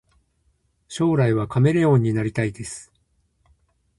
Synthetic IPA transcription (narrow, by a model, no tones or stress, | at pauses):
ɕo̞ːɾaiβ̞akame̞ɾe̞õ̞ɲ̟ːinaɾʲit̪aid̪e̞sɨ̥